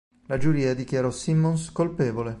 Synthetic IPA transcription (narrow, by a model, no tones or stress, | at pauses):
lad͡ʒuɾiːad̪ikjaɾɔsimːonskolpeːvole